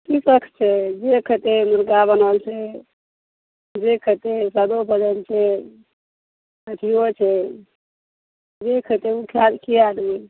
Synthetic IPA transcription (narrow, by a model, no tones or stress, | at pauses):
t̪ipəkʰt͡ʃʰɛd͡ʒekʰət̪emuɾɡabənəlt͡ʃʰɛ | d͡ʒekʰət̪esad̪opəd͡ʒəlt͡ʃʰɛ | əʈ̪ʰijot͡ʃʰɛ | d͡ʒekʰət̪euʈʰalkiaɖe